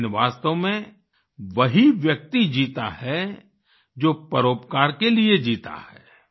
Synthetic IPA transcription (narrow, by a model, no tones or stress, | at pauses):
nʋaːst̪əʋmẽ | ʋɐɦiʋjɐk̚t̪id͡ʒiːt̪a̰hɛ | d͡ʒoːpəɾoːpkaːɾkelied͡ʒiːt̪a̰hɛː